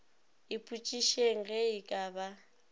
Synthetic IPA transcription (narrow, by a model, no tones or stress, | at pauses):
ɪpʼut͡ʃʼiʃeŋ̩ɣɛɪkʼaba